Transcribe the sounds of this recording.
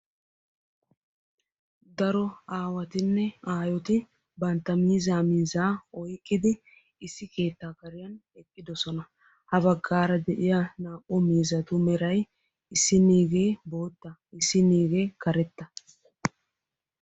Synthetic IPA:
d̪ɐɾɔaːwɐt̪ɪnːɛaːjɔt̪ɪ | bɐnt̪ːɐmiːzaːmiːzaːɔjkʼːɪd̪ɪ | ɪsːɪke̞ːt̪ːaːkɐɾɪjɐn | ɛkʼːɪd̪ɔsɔnɐ | hɐbɐɡːaːɾɐd̪ɛʔɪjɐnaːkʼːɔmiːzɐt̪ʊmɛɾɐj | ɪsːɪniːɡe̞ːbo̞ːt̪ːɐɪsːɪniːɡeːkɐɾɛt̪ːɐ

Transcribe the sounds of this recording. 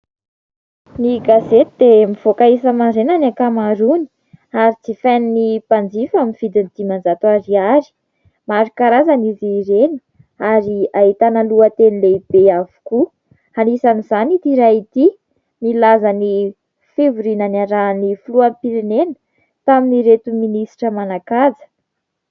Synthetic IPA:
niɡazet̪id̪̥emiv̥okaesəmaɾenanakamaɾuni̥ | aɾit͡sifeninipand͡zifaminv̥id̪ind̪̥imand͡zat̪uaɾiaɾi̥ | maɾikaɾazaniziɾenə̥ | aɾiaɦit̪analuət̪enileib̥eavu̥ku | hanisanizanit̪iɾait̪i | nilazani | fevuɾinanaɾanifuluampiɾenenə̥ | t̪aminiɾet̪uminisi̥ʈ͡ʂəmanakazə̥

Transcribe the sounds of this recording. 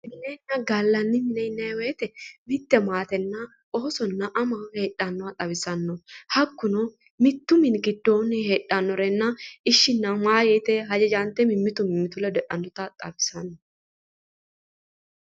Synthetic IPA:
mɪnɛnːɐɡalːɐnːɪmɪnɛɪnːɐweːt̪ɛmɪt̪ːɛmaːt̪ɛnːɐ | ʔoːsɔnːɐʔɐmɐheːᶑːɐnːɔɐt̪ʼɐbɪsɐnːɔhɐkːʊnɔ | mɪt̪ːʊmɪnɡɪd̪ːoːnɪheːᶑːɐnːɔɾɛnːɐɪʃːɪnːɐmaːjeːt̪ɛɦɐd͡ʒɛd͡ʒaːnt̪ɛmɪmːɪt̪ʊmɪmːɪt̪ʊlɛd̪ɛᶑɐnd̪ʊt̪ɐt̪ʼɐbɪsɐnːɔ

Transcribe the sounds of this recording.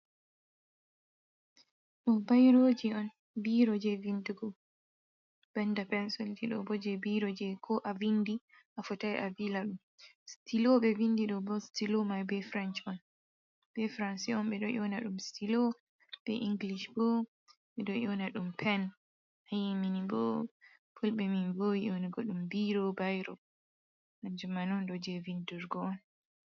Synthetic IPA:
ɗɔbajɾod͡ʒiɔn | biɾɔd͡ʒɛvinduɡɔ | b̥ɛndapɛnsɔld͡ʒiɗɔ̰bɔd͡ʒɛbiɾɔd͡ʒɛkʰɔʔavindi | ʔafɔtajʔavilaɗum | stiloɓɛvindiɗɔbɔstilomajbɛfɾɛnt͡ʃɔn | b̥ɛfɾansiɔnɓɛɗɔjɔnaɗumstilo | b̥ɛ̰ʔiŋɡliʃbɔ | ɓɛɗɔjɔnaɗumpʰɛn | ajiminibɔ̰ | pʰulɓɛminbojiʔɔniɡɔɗumbiɾɔbajɾɔ | ʔaɲd͡ʒumanɔndɔd͡ʒɛvinduɾɡɔn

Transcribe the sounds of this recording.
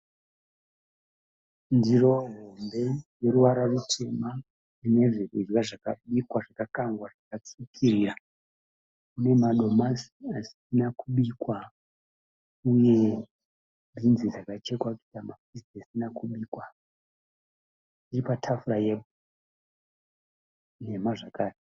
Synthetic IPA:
ndiro̞ɦombe̞je̞ɾuʋaɾarut͡ʃe̞ma | ine̞ʐirirwaʐakaɓikwaʐakakaŋɡwaʐakat͡sikʰirira | kune̞maɗo̞masiasi̥inakuɓikwa | uje̞ | bʱinzid͡zakat͡ʃe̞kwaki̥tamafisesinakuɓiːkwa | iripatʰafurajeb | ne̞maʐakaːri

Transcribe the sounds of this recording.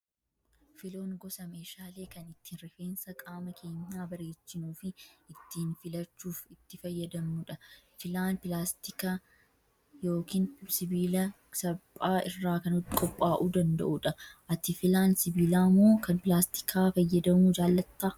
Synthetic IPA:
fɪlo̞ːŋɡɔsɐmeːʃaːle̞ːkɐnɪt̪ːɪinɾɛfeːnsɐkʼaːmɐkʰe̞ːɲːaːbɐɾeːt͡ʃːɪnuːfɪɪt̪ːɪnfɪlɐt͡ʃːuːfɪt̪ːɪfɐjːɐd̪ɐmuːᶑɐ | fɪlaːnpɪlaːst̪ɪkɐ | joːkiːnsɪbiːlɐ | sɐbʼaːɪrːaːkɐnɔkʼɔpʼːaːʔuːd̪ɐnd̪ɐ̰ʔuᶑɐʔɐt̪ɪfɪlaːnsɪbiːlaːmːo̞ːkɐnpɪlaːst̪ɪ̥kʰaːfɐjːɐd̪ɐmuːd͡ʒaːlːɐt̪ːaː

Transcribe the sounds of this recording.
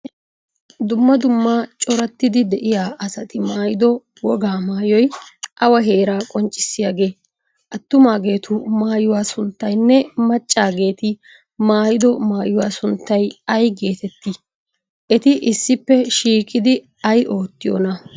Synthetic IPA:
d̪ʊmːɐd̪ʊmːaːt͡ʃʼɔɾɐt̪ːɪd̪ɪd̪ɛʔɪjaːʔɐsɐt̪ɪmaːjɪd̪ɔ | wɔɡaːmaːjɔjʔɐwɐɦeːɾaːkʼɔnt͡ʃʼːɪ̥sːɪjaɡe̞ː | ʔɐt̪ːʊmaːɡe̞ːt̪ʰʊmaːjʊwaːsʊnt̪ːɐjnːɛmɐt͡ʃʼːaːɡe̞ːt̪ɪ | maːjɪd̪ɔmaːjʊwaːsʊnt̪ːɐjɐjɡe̞ːt̪ɛt̪ːi | ʔɛt̪ɪʔɪsːɪpːɛʃiːkʼɪd̪ɪ | ɐjʔo̞ːt̪ːɪjo̰nɐ

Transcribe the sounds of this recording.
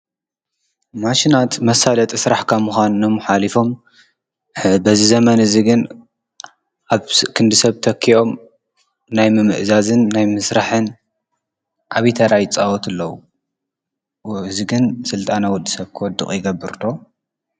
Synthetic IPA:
maʃinat̪mɐsalɐt̪ʼisɾaħkʰamuxʷanɨnomħalifo̞m | bɐzizɐmɐnɨziɡɨn | ʔaβkʰɨnd̪ɨsɐβt̪ʰɐkʰːiʔo̞m | najmɨmɨʔzazɨnːajmɨsɾaħɨn | ʔaβit̪ʰaɾajt͡sʼawɔt̪ʰɨlːɐwu | ɨziɡɨnsɨlt̪ʼanawɔd̪ːɨsɐβkʰɨwɔd̪ːɨ̰χʼjɪɡɐbːɨɾt̪ʰo̞

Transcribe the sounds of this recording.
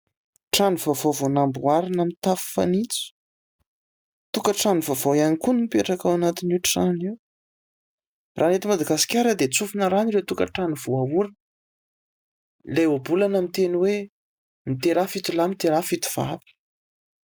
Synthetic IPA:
ʈ͡ʂanuvovovonambuaɾinamit̪afi̥fa̰nit͡su̥ | t̪ukəʈ͡ʂanuvavojanikuninipeʈ͡ʂakawanat̪inuʈ͡ʂʈ͡ʂaniw | rʔanet̪imad̪aɡasi̥kʲaɾəd̪et͡sufinəɾaniɾewt̪ukə̰ʈ͡ʂanuvoauɾin | lejobulanamit̪eniwe | mit̪eɾafit̪ulamit̪eɾafit̪u̥v̥a̰vi̥

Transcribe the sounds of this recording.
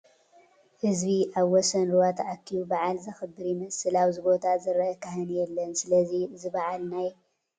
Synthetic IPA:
hɨzbiʔaβwɔsɐnɾuwat̪ʰʔakʰːiubaʕalzɐxɨbːɨɾimɐsɨlaβzɨbo̞t̪ʰazɨɾʔɐkɐɦɨnjɛlːɐnsɨlɐzizɨβaʕalnaj

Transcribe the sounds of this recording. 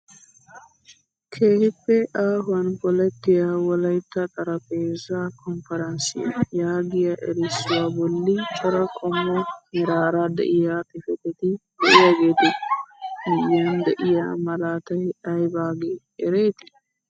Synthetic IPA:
kʰeːhɪpːɛʔaːɦʊɐnpɔlɛt̪ːɪjawɔlɐjt̪ːɐt̪ʼɐɾɐpeːzakɔmfɐɾɐnsɪ̰jɐjaːɡɪjɐʔɛɾɪsːʊwaːbɔlːɪt͡ʃʼɔɾɐkʼɔmːɔmɪɾaːɾad̪ɛ̰ʔɪjaːt̪ɪfɛt̪ːɛt̪ɪd̪ɛʔɪjaɡeːt̪ɪ | mɪjːand̪ɛʔɪja̰mɐlaːt̪ɐɐjbaːɡe | ɛɾeːt̪ɪ̥

